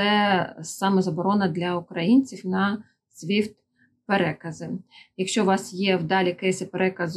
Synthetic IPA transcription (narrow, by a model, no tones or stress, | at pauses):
ɛsɑmɛzɐbɔɾɔnɐd̪lʲɐʊkɾɐjinʲt͡sʲiwnɐ | sʲʋʲiwt̪ | peɾɛkɐzɪjɐkʃt͡ʃɔʋɑsjɛwd̪ɑlʲikɛjɛsʲɐpeɾʔɛkɐz